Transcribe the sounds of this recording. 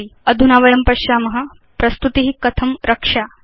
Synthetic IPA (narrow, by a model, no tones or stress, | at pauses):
iəd̪ʱunaʋəɐmpɐɕjamɐɦɐ | pɾɐst̪ut̪iɦikɐt̪ʰɐmɾʔɐkʂa